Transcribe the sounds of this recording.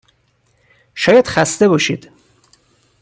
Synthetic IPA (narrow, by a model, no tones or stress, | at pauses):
ʃɒːjæd̪̥xæst̪e̞bɒʃiːd̪̥